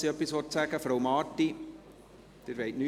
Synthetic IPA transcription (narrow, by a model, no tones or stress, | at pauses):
siœpːisʋɔtsæɡəfɾowmɑːtːi | d̥eɾʋeɪtny